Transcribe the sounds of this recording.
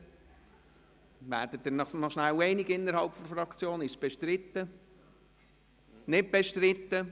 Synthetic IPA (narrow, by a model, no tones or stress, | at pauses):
væ̰ːɾd̥ətdɪnɑnɔʃnæwɛɪnɪɡɪnːəɾhɑʊpfɔɾfɾɑkt͡sjoːnɪʃsb̥eʃtɾɪt̪ːə | nɪt̚b̥ɛʃtɾɪt̪ːə